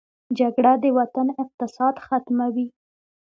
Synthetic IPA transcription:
d͡ʒaɡɽad̪əwat̪anɪq̚t̪ɪsɑd̪xat̪mawi

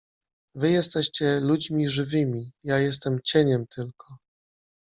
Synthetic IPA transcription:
vɘjɛst̪ɛɕt͡ɕɛlud͡ʑmʲiʐɘvɘmʲijajɛs̬t̪ɛmt͡ɕeɲɛmt̪ʰɘlkʰɔ

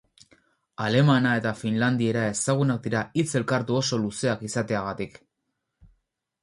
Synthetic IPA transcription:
ale̞manae̞t̪afinland̪ie̞ɾae̞saɣ̞unak̚d̪iɾait͡se̞lkaɾt̪uo̞so̞luse̞akisat̪e̞aɣ̞at̪ik

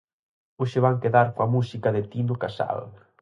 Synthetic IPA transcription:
ʊʃɪβaŋkeðaɾkoɐmusikɐðɪt̪inʊkasa̰l

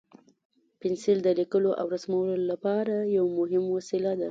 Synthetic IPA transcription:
pɪnsild̪əlikəloʔa̰wɾasmawlolapɑɾajawmʊɦɪmwasilad̪a

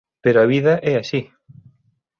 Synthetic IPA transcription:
peɾʊaβiðɐʔɛaʃi

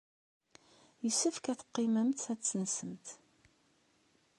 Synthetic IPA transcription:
jəsəfkæθə̥qːɪməmt̪æt͡sːənsəmt̪

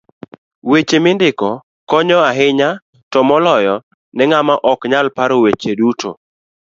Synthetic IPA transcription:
wet͡ʃemɪndɪkɔ | kɔɲɔaɦɪɲa | tɔmɔlɔjɔ | nɛŋamaʔɔkɲalpaɾowet͡ʃedutʰo̰

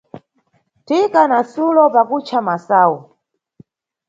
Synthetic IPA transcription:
tikanasulɔpakut͡ʃʰamasaːwɔ

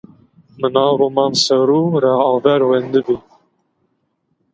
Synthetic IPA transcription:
mənɑːɾomɑːnsɛwɾuːɾɑɑːvɛɾwɛnd̪ɨbi

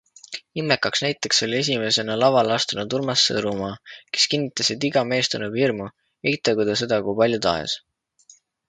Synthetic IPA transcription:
inme̞kːɑksnæjt̪ːˑe̞kso̞lʲie̞s̬ʲime̞se̞nɑlɑvɑlɑst̪unut̪uɾmɑsːɤ̰ɾumɑːke̞skinːit̪ːˑɑsit̪iɡɑme̞ːst̪unuvirmu | ejt̪ːˑɑɡud̪ɑs̬e̞d̪̥ɑkujpɑlʲjut̪ɑ̰ḛs

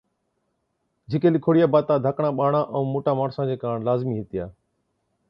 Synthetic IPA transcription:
d͡ʒʱɪkeːliːkʰoːɽɪjaːbaːt̪aːd̪ʱəkɳãːɓaːɳaːʔə̃ũːmoːʈaːmaːɳsãːd͡ʑeːkaːɳlaːzmiːɦɪt̪ɪjaː

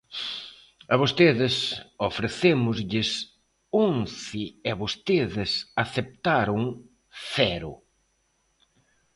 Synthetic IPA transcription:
ɐβost̪eðɪsofɾeθemʊzʎɪs | oŋθɪɪaβost̪eðɪsaθep̚t̪aɾʊŋ | θɛɾʊ̰

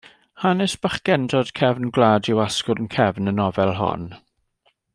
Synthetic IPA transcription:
hanɪsb̥aχɡ̥ɛndɔd̥kʰɛvnɡlˠaːdɪwaskʊɾənkʰɛvnənɔvɛlˠɦɔ̰n

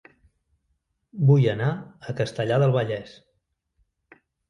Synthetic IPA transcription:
bujənaəkəst̪əʎaðəlˠβəʎɛs

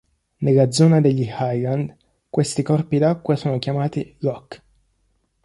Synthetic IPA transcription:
nelːad̪zːɔːnad̪eʎːihajland̪ | kwest̪ikɔrpid̪akːwasoːnokʲjamaːt̪iɾɔkː

